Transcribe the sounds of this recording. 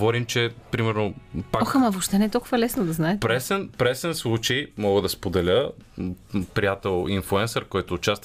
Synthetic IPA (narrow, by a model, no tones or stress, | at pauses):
vɔɾimt͡ʃɛpɾimɛɾnopaɔxamɐvopʃt̪ɛnɛt̪olˠkʊvɐlɛsnod̪ɐznaɛt̪pɾɛsɛnpɾɛsɛnslˠut͡ʃɛjmɔɡəd̪ɐspod̪ɛlʲə | pɾijat̪ɛlˠinflˠuɛnsɛɾkɔjt̪oːt͡ʃast̪